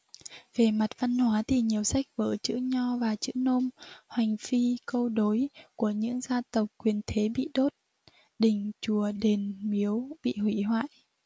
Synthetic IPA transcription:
ve˨˩ma˨˩t̚va˧nhwaː˨˦t̪ʰi˨˩ɲi˨˩əwsa˦˥jk̚vəː˧˩jt͡ɕɨ̰˧˥ɲɔ˧vaː˨˩t͡ɕɨ̰˧˥no˧mhwa˨˩jŋ̟fi˧kə˧wɗo˨˦jku˧˩əɲɨ̰˧˥ŋzaː˧t̪ə˨˩wk͡p̚kwi˨˩ənt̪ʰe˨˦ɓḭ˧˨ɗo˦˥t̚ | ɗï˨˩ŋ̟t͡ɕu˧˩əɗe˨˩nmi˨˦əwɓḭ˧˨hwi˧˩hwa̰ː˧˨jʔ

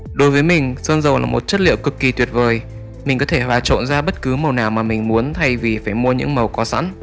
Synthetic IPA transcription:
ɗo˨˦jvəː˨˦jmï˨˩ŋ̟səː˧nzə˨˩wla̰ː˨˩mo˨˩t̚t͡ɕə˦˥t̚lḭ˧˨əwkɨ˨˩kːi˨˩t̪wi˨˩ət̚vəː˨˩j | mï˨˩ŋ̟kɔ˨˦t̪ʰe˧˩ɦwaː˨˩t͡ɕo̰˧˨nzaː˧ɓə˦˥t̚kɨ˨˦mə˨˩wnaː˨˩wmaː˨˩mï˨˩ŋ̟mu˨˦ənt̪ʰa˧jvi˨˩faː˧˩jmu˧əɲɨ̰˧˥ŋmə˨˩wkɔ˨˦sa̰˧˥n

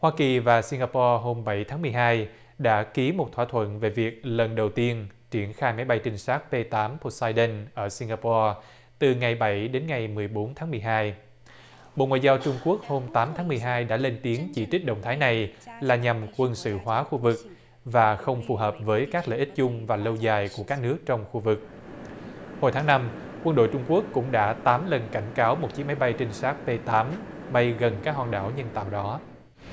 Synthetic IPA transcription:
hwaː˧ki˨˩vaː˨˩si˧ŋɣaː˧pɔ˧ɦo˧mɓa˧˩jt̪ʰaː˨˦mɨ˨˩əjɦaː˧j | ɗa̰ː˧˥ki˨˦mo˨˩t̚t̪ʰwaː˧˥t̪ʰwə̰˧˨nve˨˩vi˨˩ək̚lə˨˩nɗə˨˩wt̪i˧ənt͡ɕi˧˩ənxaː˧jma˨˦jɓa˧jt͡ɕï˧˩ŋ̟saː˦˥k̚pe˧t̪aː˨˦mpʰo˧saː˧jɗə˧nʔəː˧˩si˧ŋɡaː˧pɔ˧ | t̪ɨ˨˩ŋa˨˩jɓə˧˩jɗe˨˦nŋa˨˩jmɨ˨˩əjɓo˨˦nt̪ʰaː˨˦ŋmɨ˨˩əjɦaː˧j | ɓo̰˧˨ŋwa̰ː˧˨jzaː˧wt͡ɕʊ˧ŋ͡mku˦˥ək̚ho˧mt̪aː˨˦mt̪ʰaː˨˦ŋmɨ˨˩jɦaː˧jɗa̰ː˧˥le˧nt̪i˨˦əŋt͡ɕi˧˩t͡ɕï˦˥k̟̚ɗə̰˧˨ŋ͡mt̪ʰaː˨˦jna˨˩jlaː˨˩ɲa˨˩mkwə˧nsɨ̰˧˨hwaː˨˦xu˧vɨ˨˩k̚ | vaː˨˩xə˧wŋ͡mfu˨˩ɦəː˨˩p̚vəː˨˦jkaː˦˥k̚lə̰ː˧˨ʔï˦˥t̟̚t͡ɕʊ˧ŋ͡mvaː˨˩lə˧wzaː˨˩jku˧˩əkaː˦˥k̚nɨ˦˥ək̚t͡ɕɔ˧wŋ͡mxu˧vɨ˨˩k̚ | ho˧jt̪ʰaː˨˦ŋna˧m | kwə˧nɗo̰˧˨jt͡ɕʊ˧ŋ͡mku˦˥əkːʊ̰˧˥ŋ͡mɗa̰ː˧˥t̪aː˨˦mlə˨˩nka˧˩jŋ̟kaː˨˦wmo˨˩t̚t͡ɕi˨˦ma˨˦jɓa˧jt͡ɕï˧ŋ̟saː˦˥k̚pe˧t̪aː˨˦m | ɓa˧jɣə˨˩nkaː˦˥k̚hwaː˨˩nɗa̰ː˧˩wɲə˧nt̪a̰ː˧˨wɗɔ˨˦

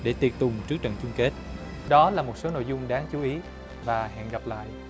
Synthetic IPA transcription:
ɗe˧˩t̪i˨˩ət̚t̪ʊ˨˩ŋ͡mt͡ɕɨ˦˥ək̚t͡ɕə̰˧˨nt͡ɕʊ˧ŋ͡mke˦˥t̚ | ɗɔ˨˦laː˨˩mo˨˩t̚so˨˦no̰˧˨jzʊ˧ŋ͡mɗaː˨˦ŋt͡ɕu˨˦ʔi˨˦ | vaː˨˩ɦɛ̰˧˨nɣa˨˩p̚la̰ː˧˨jʔ

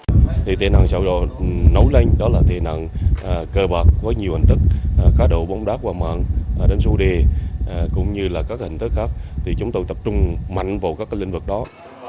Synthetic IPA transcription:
t̪ʰi˨˩t̪ʰḛ˧˩na̰˧˨ŋsə̰˧˩wɗo̰˧˨nə˨˦wla˧jŋ̟ɗɔ˨˦laː˨˩t̪ʰḛ˧˩na̰ː˧˨nː˨˩kəː˧ɓaː˨˩k̚vɔ˨˦ɲi˨˩əwhï˨˩ŋ̟t̪ɨ˦˥k̚ːxaː˨˦˥ɗo̰˧˨ɓa˨˦wŋ͡mɗaː˦˥k̚vaː˨˩ma̰ː˧˨nʔɗe˨˦nso˧˦ɗe˨˩˨kʊ̰˧˥ŋ͡mɲɨ˧laː˨˩kaː˦˥k̚hï˧˨ŋ̟t̪ɨ˨˦˥k̚xaː˦˥k̚t̪ʰi˨˩t͡ɕʊ˨˦ŋ͡mt̪o˧jt̪ə˨˩p̚t͡ɕʊ˧ŋ͡mma̰˧˨jŋ̟vaː˨˩wkaː˦˥kːlï˧ŋ̟vɨ˨˩k̚ɗɔ˨˦

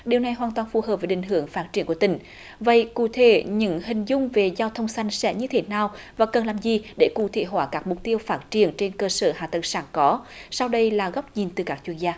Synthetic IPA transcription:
ɗi˨˩əwna˨˩jɦwaː˨˩nt̪waː˨˩nfu˨˩ɦəː˨˩p̚ve˨˩ʔï˨˩ŋ̟ɦɨ˧˩˦əŋfaː˦˥t̚t͡ɕi˧˩ənku˧˩ət̪ï˧˩ŋ̟ | və̰˧˨jkṵ˧˩t̪ʰe˧˩ɲɨ̰˧˥ŋɦï˨˩ŋ̟zʊ˧ŋ͡mve˨˩zaː˧wt̪ʰə˧wŋ͡msa˧jŋ̟sɛ̰˧˥ɲɨ˧t̪ʰe˨˦naː˨˩wvaː˨˩kə˨˩nlaː˨˩mzi˨˩ɗe˧˩kṵ˧˩t̪ʰḛ˧˥ɦwaː˧˩kaː˦˥k̚mʊ˨˩k͡p̚t̪i˧əwfaː˦˥t̚t͡ɕi˧˩˨ənt͡ɕe˧nkəː˧səː˧˩ɦa̰ː˧˨˩t̪ə˨˩ŋsaː˧˩ŋkɔ˨˦sa˧wɗə˧jlaː˨˩ɣɔ˦˥wk͡p̚ɲi˨˩nt̪ɨ˨˩kaː˦˥k̚t͡ɕwi˧ənzaː˧

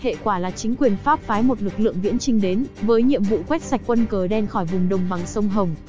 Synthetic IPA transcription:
hḛ˧˨kwaː˧˩laː˨˩t͡ɕï˨˦ŋ̟kwi˨˩ənfaː˦˥p̚faː˨˦jmo˨˩t̚lɨ˨˩k̚lɨ̰˧˨əŋvḭ˧˥ənt͡ɕï˧ŋ̟ɗe˨˦nvəː˨˦jɲḭ˧˨əmvṵ˧˨kwɛ˦˥t̚sa˨˩jk̚kwə˧nkəː˨˩ɗɛ˧nxɔ˧˩jvʊ˨˩ŋ͡mɗə˨˩ŋ͡mɓa˨˩ŋsə˧wŋ͡mɦə˨˩wŋ͡m

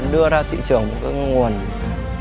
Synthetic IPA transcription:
nɗɨ˧əzaː˧t̪ḭ˧˨t͡ɕɨ˨˩əŋmo˨˩t̚ka˨˦ŋu˨˩ən

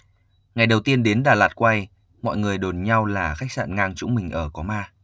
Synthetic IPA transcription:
ŋa˨˩jɗə˨˩wt̪i˧ənɗe˨˦nɗaː˨˩laː˨˩t̚kwa˧j | mɔ̰˧˨jŋɨ˨˩əjɗo˨˩nɲa˧wlaː˨˩xa˦˥k̚sa̰ː˧˨nŋaː˧ŋt͡ɕʊ̰˧˥ŋ͡mmï˨˩ŋ̟ʔəː˧˩kɔ˨˦maː˧

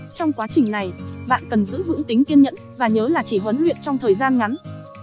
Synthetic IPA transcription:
t͡ɕɔ˧wŋ͡mkwaː˨˦t͡ɕï˨˩ŋ̟na˨˩jɓa̰ː˧˨nkə˨˩nzɨ̰˧˥ɦɨ̰˧˥əŋt̪ï˨˦ŋki˧ənɲə̰˧˥nvaː˨˩ɲəː˨˦laː˨˩t͡ɕi˧˩ɦwə˨˦nlwḭ˧˨ənt͡ɕɔ˧wŋ͡mt̪ʰəː˨˩jzaː˧nŋa˨˦n

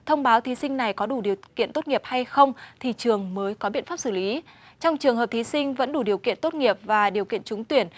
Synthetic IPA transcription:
t̪ʰə˧wŋ͡mɓaː˨˦wt̪ʰi˨˦sï˧ŋna˨˩jkɔ˨˦ɗu˧˩ɗi˨˩ə˩wkḭ˧˨ənt̪o˦˥t̚ŋi˨˩əp̚ha˧jxə˧wŋ͡mt̪ʰi˨˩t͡ɕɨ˨˩əŋməː˨˦jkɔ˨˦ɓḭ˧˨nfaː˦˥p̚sɨː˧˩li˨˦ | t͡ɕɔ˧wŋ͡mt͡ɕɨ˨˩əŋhɦə˨˩p̚t̪ʰi˨˦sï˧ŋ̟və̰˧˥nɗu˧˩ɗi˨˩əwkḭ˧˨ənt̪o˦˥t̚ŋi˨˩əp̚vaː˨˩ɗi˨˩əwkḭ˧˨ənt͡ɕʊ˨˦ŋ͡mt̪wi˧˩ən

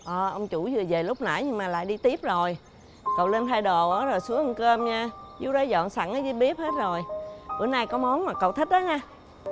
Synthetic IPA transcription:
ʔəː˨˩ʔə˧wŋ͡mt͡ɕu˧˩zɨ˨˩əve˨˩lʊ˦˥k͡p̚na̰˧˩jɲɨ˧ŋmaː˨˩la̰ː˧˨jɗi˧t̪i˦˥əp̚zo˨˩j | kə˨˩wle˧nt̪ʰaː˧jɗo˨˩ʔəː˨˦zo˨˩jsu˨˦əŋʔə˧ŋkəː˧mɲaː˧zṵ˨˦wɗə˨˦jzɔ̰˧˨nsa̰˧˩ŋʔəː˨˦jzɨ˨˧˦ɓi˦˥əp̚he˦˥t̚zo˨˩jʔɨ̰˧˩ənaː˧jkɔ˨˦mɔ˨˦nmaː˨˩kə̰˨˩wt̪ʰï˦˥k̚ɗə˨˦ɲaː˧

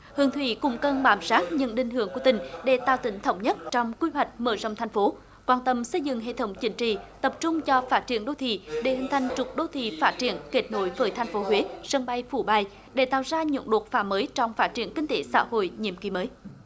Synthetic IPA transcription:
hɨ˨əŋt̪ʰwḭ˧˨kʊ̰˧˥ŋ͡mkə˧˩nɓaː˨˩msaː˦˥t̚ɲə̰˧˥nɗï˧˩ŋ̟ɦɨ˧˩əŋku˧˩ət̪ï˨˩ŋ̟ɗe˧˩t̪a̰ː˧˨wt̪ï˨˦ŋ̟t̪ʰə˧wŋ͡mɲə˦˥t̚t͡ɕɔ˧wŋ͡mkwi˧wa˨˩jk̟̚məː˧˩zə̰˧˨wŋ͡mt̪ʰa˧jŋ̟fo˨˦ | kwaː˧˩nt̪ə˧˨msə˧jzɨ̰˧˨ŋɦḛ˧˨t̪ʰə˨˦wŋ͡mt͡ɕï˨˦ŋ̟t͡ɕḭ˧˨t̪ə˨˩p̚t͡ɕʊ˧ŋ͡mt͡ɕɔ˧faː˦˥t̚t͡ɕi˧˩ənɗo˧˩t̪ʰḭ˧˨ɗe˧˩hi˨˩ŋ̟t̪ʰa˨˩jŋ̟t͡ɕʊ˨˩k͡p̚ɗo˧˩t̪ʰḭ˧˨faː˦˥t̚t͡ɕi˧˩ənke˨˥t̚no˧˩jvəː˨˩jt̪ʰa˧jŋ̟fo˨˦ɦwe˨˦sə˧nɓa˧jfu˧˩ɓa˧˩j | ɗe˧˩t̪a̰ː˧˨wzaː˧ɲṵ˧˥nɗo˨˩t̚faː˨˦məː˨˦jt͡ɕɔ˧wŋ͡mfaː˦˥t̚t͡ɕi˧˩ənkï˧ŋ̟t̪e˨˦sa̰ː˧˥ho̰˧˨jɲḭ˧˨əmki˨˦məː˨˦j

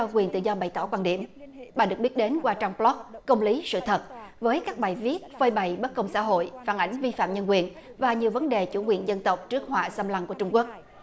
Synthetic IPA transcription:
ɔ˧kwi˨˩nt̪ɨ̰˧˨zɔ˧ɓa˨˩jt̪ɔ˧˩kwaː˧nɗḭ˧˩əmɓaː˨˩ɗɨ˨˩ək̚ɓi˦˥t̚ɗe˨˦nkwaː˧t͡ɕɔ˧wŋ͡mplɔ˦˥k̚kːə˧wŋ͡mli˨˦sɨ̰˧˨t̪ʰə˨˩t̚vəː˨˦jkaː˦˥k̚ɓaː˨˩jvi˦˥ət̚vəː˧jɓa˨˩jɓə˦˥t̚kə˧wŋ͡msa̰ː˧˥ɦo̰˧˨jfaː˧˩nʔa˧˩jŋ̟vi˧fa̰ː˧˨mɲə˧nk̬wi˨˩ən | vaː˨˩ɲi˨˩əwvə˨˦nɗe˨˩t͡ɕu˧˩kwi˨˩ənzə˧nt̪ə˨˩wk͡p̚t͡ɕɨ˦˥k̚ɦwa̰ː˧˨sə˧mla˧ŋku˧˩ət͡ɕʊ˧ŋ͡mku˦˥ək̚

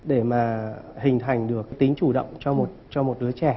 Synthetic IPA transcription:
ɗe˧˩maː˨˩hï˨˩ŋ̟t̪ʰa˨˩jŋ̟ɗɨ˨˩əkt̪ï˨˦ŋ̟t͡ɕu˧˩ɗə̰˧˨wŋ͡mt͡ɕɔ˧mo˨˩t̚t͡ɕɔ˧mo˨˩t̚ɗɨ˨˦ət͡ɕɛ˧˩

